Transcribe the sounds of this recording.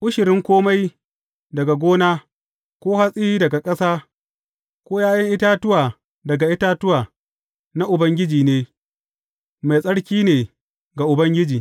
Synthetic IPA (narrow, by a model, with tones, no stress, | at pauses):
ʔʊ˦ʃɪ˨ɾɪ˦ŋkʷoː˦ma˦j | dɐ˨ɡa˨ɡʷoː˦naː˦ | kʷoː˦ha˦sʼi˦iː˦dɐ˨ɡa˨kʼɐ˦saː˦ | kʷoː˦jaː˦jɐ˦ŋʔɪ˦taː˦tʊ˦waː˨ | dɐ˨ɡa˨ʔɪ˦taː˦tʊ˦waː˨ | na˦ʔʊ˨bɐ˦ŋɡʲɪ˦d͡ʒiː˨neː˦ | ma˨jsʼɐ˦ɽkʲiː˦neː˨ | ɡa˨ʔʊ˨bɐ˦ŋɡʲɪ˦d͡ʒiː˨